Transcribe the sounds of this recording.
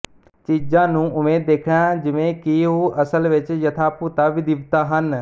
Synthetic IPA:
t͡ʃiːd͡ʒãːnũːʊmeːd̪ːeːkʰɽ̃ãd͡ʒɪʋẽkiɦoːʔɐsəlʋɪt͡ʃjɐt̪ʰaːpuːt̪aʋɪd̪ɪʋt̪aɦən

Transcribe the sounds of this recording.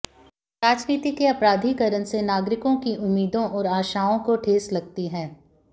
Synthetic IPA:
ɾaːd͡ʒniːt̪ikeɐpɾaːd̪ʱikɐɾənsenaːɡɾɪkõkiʔʊmːiːd̪õʔɔːɾaːʃaːõkoʈʰeːslɐɡ̚t̪iɦɛ̃ː

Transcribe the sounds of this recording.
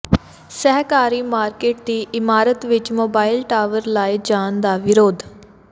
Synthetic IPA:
sɛɦkaːɾiːmaːɾkeːʈ̚d̪iːʔɪmaːɾət̪ʋɪt͡ʃmoːbaːɪlʈaːʋəɾlaːid͡ʒaːnd̪aːʋɪɾoːd̪

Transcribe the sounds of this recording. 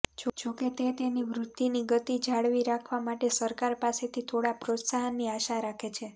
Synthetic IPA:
d͡ʒod͡ʒoket̪et̪eniʋɾut̪ːiniɡət̪id͡ʒaɭʋiɾakʰʋamaʈesəɾkaɾpaset̪ʰit̪ʰoɽapɾot̪saɦənːiaʃaɾakʰet͡ʃʰe

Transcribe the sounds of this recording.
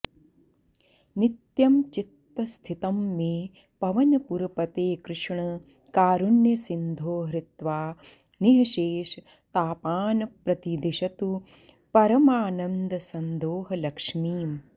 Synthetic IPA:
nit̪jɐmt͡ʃit̪ːɐst̪ʰit̪ɐmːeː | pɐʋɐnɐpuɾɐpɐt̪eːkɾɪʂɳɐ | kaːɾunjɐsind̪ʱoːɦɾit̪ʋaː | niɦɐʃeːʃ | t̪aːpaːnɐpɾɐt̪id̪iʃɐt̪u | pɐɾɐmaːnɐnd̪ɐsɐnd̪oːɦɐlɐkʂmiːm

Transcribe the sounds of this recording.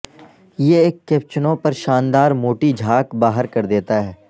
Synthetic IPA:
jeeːkːeːp̚t͡ʃənõpɐɾʃaːnd̪aːɾmoːʈid͡ʒʱaːkbaːɦəɾkɐɾd̪eːt̪aɦɛː

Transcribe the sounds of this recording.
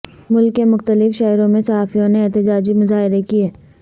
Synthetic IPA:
mʊlkːemʊxt̪əlɪfʃɛːɾõmẽsɐɦaːfijõneeːt̪ɪd͡ʒaːd͡ʒimʊzaːɦɪɾekieː

